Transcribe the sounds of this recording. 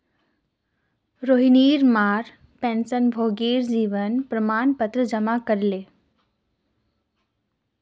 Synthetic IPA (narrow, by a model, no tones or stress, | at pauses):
ɾoːɦiniːɾmaːɾ | pẽːnsənbʱoːɡiːɾd͡ʑiːʋənpɾəmaːnpət̪ɾəd͡ʒəmakəɾleː